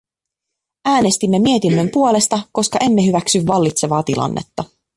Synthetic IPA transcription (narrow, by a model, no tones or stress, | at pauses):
æːne̞st̪imːemie̞t̪inːø̞mpuo̞le̞st̪ɑko̞skɑʔe̞mːe̞ɦyʋæksyʋːɑlːit̪se̞ʋɑːt̪ilɑ̰nːʔḛt̪ːɑ